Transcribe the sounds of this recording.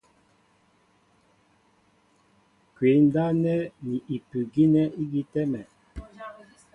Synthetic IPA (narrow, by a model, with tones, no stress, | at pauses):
kwe˨˦n˦da˦nɛ˦ni˨ʔi˨pʉ˨ɡi˦nɛ˦ʔi˦ɡi˦tɛ˦mɛ˨